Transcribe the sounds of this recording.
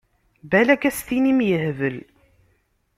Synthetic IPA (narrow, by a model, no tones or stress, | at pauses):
bælækæsθinimjəhvəl